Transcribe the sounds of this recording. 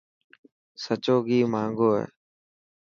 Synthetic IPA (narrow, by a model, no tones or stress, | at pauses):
sət͡ʃoːɡiːmãːŋɡoːɦḛː